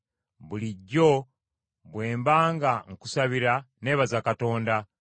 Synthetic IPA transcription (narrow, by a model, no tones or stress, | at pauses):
βuliɟːo̞ | βwe̞ːmbaːŋɡaŋ̩ku̥saβiɾa | ne̞ːβazakato̞ːnda